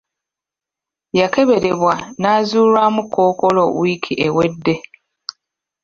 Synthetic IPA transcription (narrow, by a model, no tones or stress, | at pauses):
jake̞βe̞ɾe̞βwanaːzuːɾamukoːkolowiːkʰiʔewedːe̞